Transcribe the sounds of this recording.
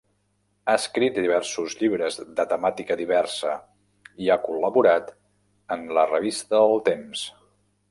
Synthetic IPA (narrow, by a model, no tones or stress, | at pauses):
aəskɾit̪̚d̪iβ̞ɛrsuzʎiβɾəzðət̪əmat̪ikəðiβɛrsə̰ | iakuləβuɾat̪ | ənlərəβ̞ist̪əəlˠt̪ems